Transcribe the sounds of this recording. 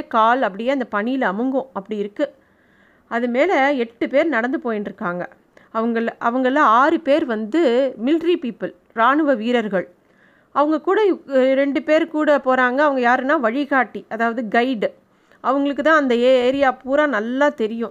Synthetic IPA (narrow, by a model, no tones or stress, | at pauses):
kaːlɐp̬ːɐɽɪjeːɐnd̪ɐpɐɳɪjɪlɐmɯŋɡʊ̃ɐpːɐɽɪɪɾɯkːɯ | ɐðɯmeːlɐɛʈːɯpeːɾnɐɽɐnd̪ɯpoːjɪnɖɾɯkːaːŋɡɐ | ɐʋɐŋɡɐɭʔɐʋɐŋɡɐlãaːɾɯpeːɾʋɐnd̪ɯmɪlʈɾipiːpːɐl | ɾaːɳɯʋɐʋiːɾɐɾɣɐɭ | ɐʋɐŋɡɐkuːɽɐɾɛɳɖɯpeːɾkuːɽɐpoːɾaːŋɡɐːʋɐŋɡɐjaːɾɯnːãːʋɐɻɪɣaːʈːiʔɐðaːʋɐðɯɡɐɪɖ | ʔɐʋɐŋɡɐɭɯk̬ːɯt̪ãːɐnd̪ɐeːeːɾɪjaːpuːɾãːnɐlːaːt̪ɛɾɪjʊ̃